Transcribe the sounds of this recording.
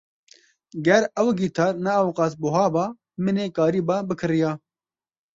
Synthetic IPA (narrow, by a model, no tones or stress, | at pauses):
ɡɐɾɐwɡiːt̪ʰaːɾnɐɐwqɑːs̬buɦɑːbaː | mɪneːkaːɾiːbaːbɨkʰɨɾijaː